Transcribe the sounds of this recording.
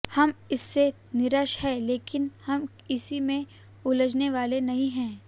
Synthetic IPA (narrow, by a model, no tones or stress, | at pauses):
hɐmɪsːe | nɪɾəʃhɛleːkɪnhɐm | ɪsimẽ | ʊləd͡ʒneʋaːlenɐɦĩɦɛ̃ː